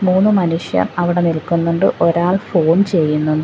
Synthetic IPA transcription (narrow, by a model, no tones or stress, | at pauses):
muːnːɨmɐnuʂjɐ̰nɐʋiɽe̞nilkunːuɳɖɨʔoɾaːɭfo̞ːnt͡ɕe̞jːunːunɖɨ